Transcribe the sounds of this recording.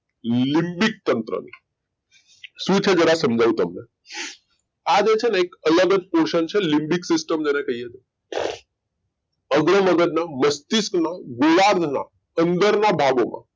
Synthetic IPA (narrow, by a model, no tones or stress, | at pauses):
limbik̚t̪ənt̪ɾə̰nḭ | sut͡ʃʰed͡ʒəɽasəmd͡ʒaʋũt̪əmne | ad͡ʒet͡ʃʰeneekələɡəd͡ʒpoɾʃənt͡ʃʰelimbiksɪsʈəmd͡ʒenekəɦijet̪ | əɡɾəməɡəd͡ʒnaməst̪isknaɡolaɾd̪ʱna̰ | ənd̪əɾnabʱaɡomã̰